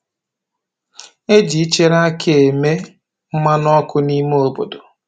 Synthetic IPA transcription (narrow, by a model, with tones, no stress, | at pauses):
e˦d͡ʒi˨i˦t͡ʃe˦ɾa˦kʰe˦e˨me˦ | m̩˦ma˦nɔ˦kʊ˦ni˦me˦o˨bo̰˨do˨